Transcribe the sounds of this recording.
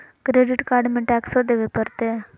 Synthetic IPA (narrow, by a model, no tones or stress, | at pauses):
kɾeɖiʈkaɾɖmẽʈɛksɔd̪eʋepəɾt̪e